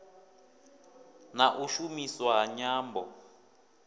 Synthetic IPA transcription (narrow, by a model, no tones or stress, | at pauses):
naʔuʃumiswaɦaɲaːmbɔ